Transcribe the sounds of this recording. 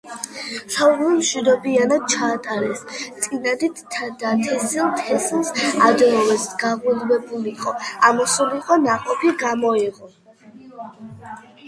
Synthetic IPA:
saulimʃwid̪ɔbianad̪̥̚t͡ʃʰaːt̪ʼaɾɛst̪sʼinad̪it̪ʰd̪at̪ʰɛsilˠt̪ʰɛsilˠsad̪ɛmɔlɛsɡ̥aʁulvɛbuliqʼɔamɔsuliχwanaqʼɔpʰiɡamɔɛʁɔ

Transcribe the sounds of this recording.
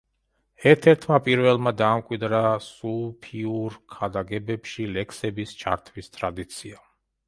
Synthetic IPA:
ɛɾt̪ʰɛɾt̪ʰmapʼiɾvɛlˠmad̪aːmkʼwid̪ɾasupʰiuɾkʰad̪aɡɛbɛpʃilɛkʰsɛbist͡ʃʰa̰ɾt̪ʰvist̪ʼɾad̪it̪sʰia

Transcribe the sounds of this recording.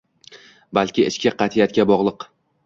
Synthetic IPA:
balˠkʲɪɪʃkʲaqʰɑt̪ʰijat̪̚kʲabɒʁlˠɨq

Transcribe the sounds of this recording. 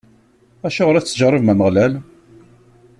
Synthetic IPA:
æʃʊʁɾæt͡sːəʒrˤːəvmæməʁlæl

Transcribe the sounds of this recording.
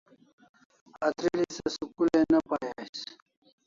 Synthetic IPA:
ɐt̪ʰɾilisɐsukulenɐpajes

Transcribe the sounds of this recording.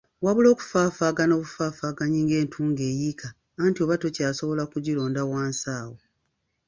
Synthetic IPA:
waβulo̞ːku̥faːfaːɡanoːβufaːfaːɡaɲiːŋɡe̞ːntʰuːŋɡe̞ːjikʰaː | ntio̞βato̞caːso̞βo̞lakuɟilo̞ːndawaːnsaːwo

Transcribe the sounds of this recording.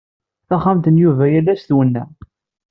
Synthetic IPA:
θæχːamt̪ənjuvæjælːæsθwənːæ̰

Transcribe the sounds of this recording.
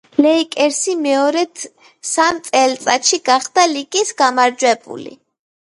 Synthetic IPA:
lɛikʼɛɾsimɛɔɾɛt̪ | samt̪sʼɛlt̪sʼaʃiɡaχd̪alikʼisɡamaɾd͡ʒwɛbṵlḭ

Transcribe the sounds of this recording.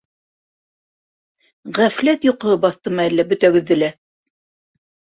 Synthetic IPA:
ʁæflæt̪joqɤ̆ɤbɑθt̪ɤmɑælːæbɵ̆t̪æɡɘ̆ðːɘ̆læ

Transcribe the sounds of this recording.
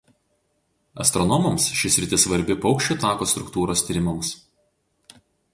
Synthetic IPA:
ɐ̰st̪ɾɔnɔmɐmsʃʲɪsʲɾʲɪt̪ʲɪsʋɐɾʲbʲɪpɒʊkʃʲt͡ʃʲuˑt̪ɑːkoːst̪ɾʊkt̪uːɾoːst̪ʲiːɾʲɪmɐms

